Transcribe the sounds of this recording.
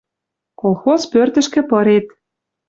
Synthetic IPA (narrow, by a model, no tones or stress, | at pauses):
kolˠxospørt̪ə̆ʃkɘ̆pɤ̆ɾet̪̚